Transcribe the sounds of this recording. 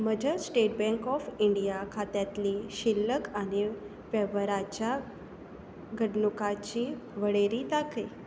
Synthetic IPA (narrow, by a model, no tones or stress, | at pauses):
məd͡ʑʱasʈeʈ̚bɛ̃ŋkɔfiɳɖijakʰat̪jat̪liɕilːəkani | fɛʋəɾat͡ɕja | ɡʱəɽnukat͡ɕiː | ʋəɽeɾiːt̪ake